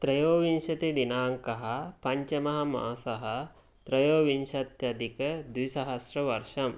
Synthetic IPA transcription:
t̪ɾɐjoːʋinʃɐt̪id̪inaːŋkɐɦɐ̆pɐɲt͡ʃɐmɐɦɐ̆ma̰ːsɐɦɐ̆ | t̪ɾɐjoːʋinʃɐt̪jɐd̪ikɐd̪ʋisɐɦɐsɾɐʋɐɾʂɐm

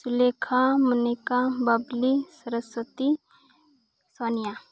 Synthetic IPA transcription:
sulekʰamunikabɐblisəɾəswət̪i | sɔnija

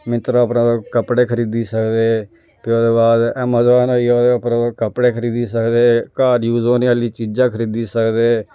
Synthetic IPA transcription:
mɪt̪ɾoəpnãːd̪oːkəpɽeːkʰəɾiːd̪iːsəkd̪eː | pɪoːd̪eːbaːd̪ɛːmaːzaːnoːiːoːd̪eːəpnãːd̪okəpɽeːkʰəɾiːd̪iːsəkd̪eːkaːɾjuːzoːnialiːt͡ʃiːd͡ʒãːkʰəɾiːd̪iːsəkd̪eː

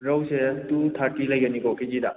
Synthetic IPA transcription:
ɾawsetutʰaɾkilɐjɡɐnikɔkiɡida

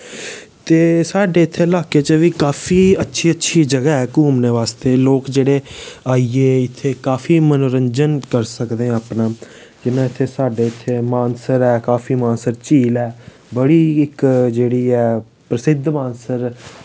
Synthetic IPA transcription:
t̪eːsaːɖeːɪt̪ʰːeːlaːkeːt͡ʃəʋiːkaːpʰiːətːʃʰiːətːʃʰiːd͡ʒəɡɛːɛːkuːmneːʋaːst̪eːloːkd͡ʒeːɽeːaːieːɪt̪ʰːeːkaːfʰiːmənoːɾəɲd͡ʒənkəɾsəkd̪ẽapnãː | d͡ʒɪnãːɪt̪ʰːeːsaːɖeːɪt̪ʰːeːmaːnsəɾɛːkaːpʰiːmãːnsəɾt͡ʃiːlɛː | bəɽiːɪkd͡ʒeːɽiːɛː | pɾəsɪd̪ʱmaːnsəɾ

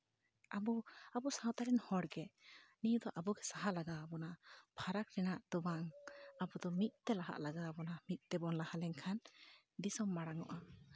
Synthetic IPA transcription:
abɔabɔsãwt̪aɾɛnhɔɽɡɛnijud̪ɔʔabɔɡɛsaɦalaɡaːbɔnapʰaɾakɾɛnaʔd̪ɔbaŋabɔd̪ɔmit̪̚ˀt̪ɛlaɦa̰ʔlaɡaːbɔnamit̪̚ˀt̪ɛbɔnlahalɛŋkʰan | d̪isɔmːaɽaŋɔ̰ʔa

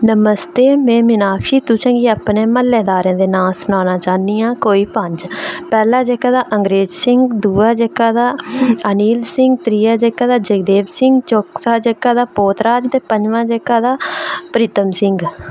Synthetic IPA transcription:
nəməst̪eːmɛ̃ːmɪnaːkʰʃiːt̪ʊt͡ʃʰãːɡiːapnẽːməlːeːd̪aːɾẽːd̪eːnaːsənaːnãːt͡ʃaːniːãːkoːiːpəɲd͡ʒpɛːlaːd͡ʒekːaːd̪aːʔəŋɡɾeːd͡ʒsɪŋɡd̪uːaːd͡ʒəkːaːd̪aːəniːlsɪŋɡt̪ɾiːaːd͡ʒekːaːd̪aːd͡ʒəkd̪eːbsɪŋɡt͡ʃoːkt̪aːd͡ʒəkːaːd̪aːpoːt̪ɾaːd͡ʒt̪eːpəɲd͡ʒʋãːd͡ʒekːaːd̪aːpəɾɪt̪əmsɪŋɡ

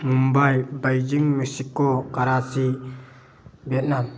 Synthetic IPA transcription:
mumbajbajd͡ʒiŋmɯsikːɔkaɾasi | bɛt̚nam

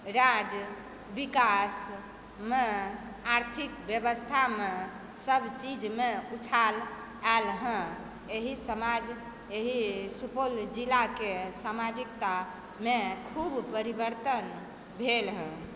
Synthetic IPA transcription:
ɾad͡ʒ | bikas | me | aɾt̪ʰikbjəbəst̪ʰame | səbʱt͡ʃid͡ʒmeut͡ʃʰal | ɛlɦə̃ | eɦisəmad͡ʒ | eɦisupold͡ʒilakesamad͡ʒik̚t̪a | mekʰubpəɾibəɾt̪ən | bʱelɦə̃

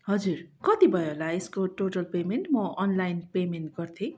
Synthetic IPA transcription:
ɦʌd͡zurkʌt̪ibʱʌeɦolaeskoʈoʈʌlpemenʈmʌʔʌnlajnpemenʈ̚ɡʌrt̪ʰĩ

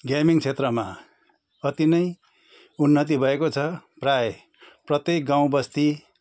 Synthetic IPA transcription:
ɡjamiŋt͡sʰet̪rʌma | ʌt̪inʌj | unːʌt̪̬ibʱʌekot͡sʰʌprae | prʌt̪jek̚ɡãw̃bʌst̪i

